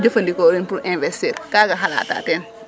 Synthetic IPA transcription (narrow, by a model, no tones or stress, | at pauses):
d͡ʒɐfɐndikoɾinpuɾʔɛ̃nvɛsteɾkaːɡɐɦala̰ːta̰ːtɛn